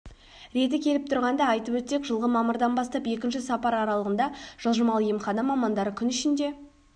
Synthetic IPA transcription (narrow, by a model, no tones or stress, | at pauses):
ɾe̞t̪ɪkʲʰe̞lɪp̚t̪ʰʊɾʁɑnd̪ɑɑjt̪əpwɵt̪se̞kʒəlˠʁəmɑməɾd̪ɑnbɑst̪ɑpe̞kʲɪnʃɪsɑpɑɾɑɾɑlˠəʁənd̪ɑʒ̥əlˠʒəmɑlˠjemχɑnɑmɑmɑnd̪ɑɾəkʲʰʏnʏʃɪnd̪e̞